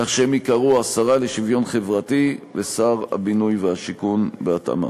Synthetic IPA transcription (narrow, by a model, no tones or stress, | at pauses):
kaχʃeemikaʁuasaʁale̞ʃivjo̞nχe̞vʁativesaʁa̰binujveaʃikunbeata̰ma̰